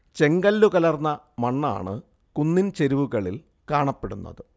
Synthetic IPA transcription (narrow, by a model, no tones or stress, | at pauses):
t͡ɕe̞ŋɡɐlːukɐlɐrnːɐ | mɐɳːa̰ːɳɨ | kunːint͡ɕe̞ɾuʋuɣɐɭil | kaːɳɐpːe̞ɽunːɐ̰ðɨ